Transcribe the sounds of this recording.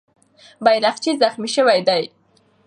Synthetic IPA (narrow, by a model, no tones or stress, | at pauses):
bajɾaxt͡ʃizaxmiʃəwajd̪aj